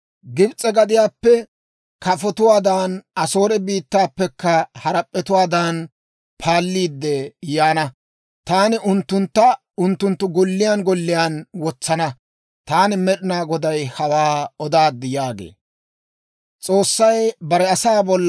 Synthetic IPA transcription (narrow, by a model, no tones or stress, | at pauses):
ɡɪbt͡sʼɛɡɐd̪ɪjaːpːɛ | kɐfɔt̪ʊwaːd̪aːnɐso̞ːɾɛbiːt̪ːaːpːɛkːɐhɐɾɐpʼːɛt̪ʊwaːd̪aːn | pʰaːlːiːd̪ːɛjaːnɐ | t̪aːnɪʔʊnt̪ːʊnt̪ːɐ | ʊnt̪ːʊnt̪ːʊɡɔlːɪjanɡɔlːɪjaːnwɔt͡sːɐnɐ | t̪aːnɪmɛɗɪnaːɡɔd̪ɐjhɐwaːɔd̪aːd̪ːɪjaːɡḛː | t͡sʼoːsːɐjbɐɾɛɐsaːbɔlː